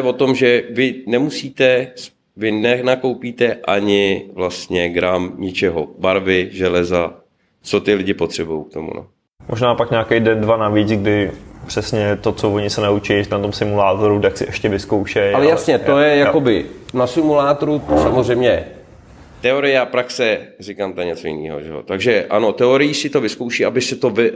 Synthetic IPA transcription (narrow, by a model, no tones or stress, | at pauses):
ɛvo̞t̪o̞mʒɛvɪnɛmusiːt̪ɛs | vɪnɛnako̞wpiːt̪ɛʔaɲɪvlast̪ɲɛɡɾamɲɪt͡ʃɛɦo̰baɾvɪʒɛlɛza | t͡so̞t̪ɪlɪɟɪpo̞t̪r̝̥ɛbujowk̚t̪o̞mṵnʔo̰ | mʔoʒnaːpakɲaːkɛjdɛndvanavɛcɪɡdɪpr̥ɛsɲɛt̪ot͡sovoɲɪsɛnaut͡ʃɪlɪnat̪omsɪmulaːt̪oɾut̪aksɪʔɛʃcɛvɪskowʃɛjalɛjasɲɛt̪ojɛjakobɪnasɪmulaːt̪oɾusamor̝ɛjmɲɛ | t̪ɛo̞ɾɪjɛapɾaksɛrɪkaːmt̪ɛɲɛt͡so̞jɪ̰nḭːɦo̞̰ʒɛ̰ɦo̰t̪aɡʒɛʔa̰no̞t̪ɛoɾɪjiːsɪt̪o̞vɪskowʃiːʔabɪsɪt̪o̞vɪ